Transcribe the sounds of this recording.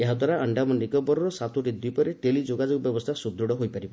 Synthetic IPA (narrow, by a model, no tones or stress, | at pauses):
eɦad̪ʱwaɾaʔəɳɖamɔɳɖikɔbɔɾɔɾɔsat̪ʰuʈid̪wipɔɾeʈelid͡ʒoɡad͡ʒoɡɔbjɔbɔst̪ʰasud̪ɾuɽɔɦojpaɾibɔ